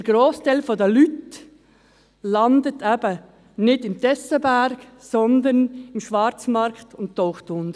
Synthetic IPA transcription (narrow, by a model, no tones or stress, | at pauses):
əɡ̥ɾoːstalfɔdɛlyt | lɑndətʰæbə | nɪdɪmtɛsəbæɾɡsɔnd̪ənɪmʃʋɑɾt͡smɑɾktʊntːɔʊχtʊnd̥